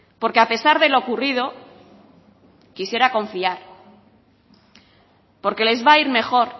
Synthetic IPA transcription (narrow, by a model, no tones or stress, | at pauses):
po̞ɾke̞ape̞saɾðe̞lo̞kurið̞o̞ | kisje̞ɾako̞ɱfiaɾ | po̞ɾke̞le̞zβaiɾme̞xo̞ɾ